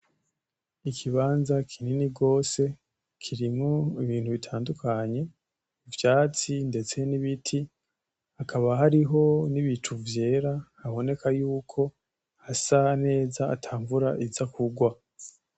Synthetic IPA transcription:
ikʰiβaːnzakʰininiɡo̞ːse̞ | kʰiɾimŋoiβiːn̥huβitʰaːndukʰaɲe̞ | ivjaːt͡sinde̞t͡se̞niβitʰi | hakʰaβaɦaɾiɦo̞niβit͡ʃuvje̞ːɾahaβo̞ne̞kajuːkʰo̞ | hasane̞ːza̰ːtʰaːɱvuɾaʔizakʰuɡwa

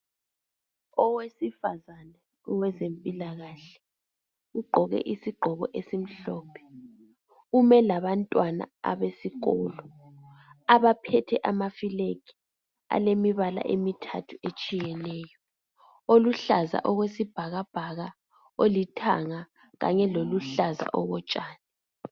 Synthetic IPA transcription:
ɔwesifazanɛ | ɔwɛzempʼilaɣaɬɛ̥ | uɡ͡ǃʱɔɣɛ̰ʔisiɡ͡ǃʱɔɣɔ̰ʔesim̩ɬɔːpʰɛ̥ | umɛlaβantʼwana̰a̰βesiɣɔːlɔ | aβapʰɛtʰɛʔamafilekʰi̥ | a̰lemiβala̰ʔemitʰa̰tʰuet͡ʃʼijɛnɛːjɔ | oluɬaza̰ʔɔɣwesib̥ʱaɣab̥ʱaɣa | olitʰa̰ŋa | ɣa̰ɲɛloluɬaza̰ʔɔɣɔt͡ʃʼaːnɛ

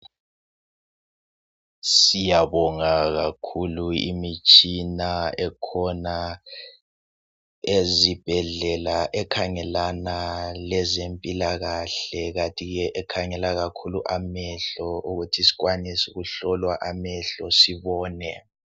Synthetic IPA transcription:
sijaβɔŋaɣakʰuluḭmit͡ʃʼinaɛkʰɔna | ezib̥ʱɛɮɛlaʔɛkʰaŋɛlanalɛzempʼilaɣaɬɛɣatʼiɣɛʔɛkʰaŋɛlaɣakʰuluʔamɛɬɔuɣutʰisi̥ɣwanisuɣuɬɔlwaʔamɛɬɔsiβɔːnɛ̰

